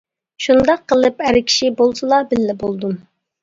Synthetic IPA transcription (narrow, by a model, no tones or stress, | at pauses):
ʃund̪ɑqʰːəlˠɨpæɾkʲʰi̥ʃibolˠsɨlˠɑbɪlːɪbolˠd̪um